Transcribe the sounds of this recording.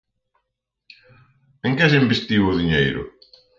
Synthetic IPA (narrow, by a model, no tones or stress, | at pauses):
ẽŋkɛs̬imbest̪iβʊðiɲejɾʊ̰